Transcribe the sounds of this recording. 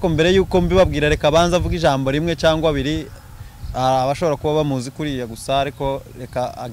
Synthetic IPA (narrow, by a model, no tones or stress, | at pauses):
kombe̞ɾe̞juːko̞mbiβabɡiːɾaɾe̞kaβaːnzavuɡiʒaːmbo̞ɾimŋe̞t͡ʃaːŋɡwaβiɾi | aβaʃo̞βo̞ɾakuβaβamuːzikuɾijaɡusaːɾiko̞ɾe̞kaa̰